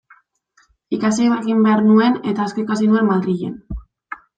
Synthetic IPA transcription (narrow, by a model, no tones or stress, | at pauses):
ikasejβaeɣimbe̞aɾnue̞ne̞t̪aːskoikasinue̞mmaðriʎḛn